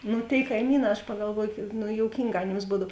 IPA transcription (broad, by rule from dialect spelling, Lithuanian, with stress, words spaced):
ˈnʊ tʲeːɪ kɐɪˈmʲiːˌnɑː ɐʃ pɐɡɐlˠˈʋuɔjʊ kʲiːk ˈnʊ joːʊˈkʲiːŋˌɡɑː ɐˈnʲeːms ˈbuːdɐw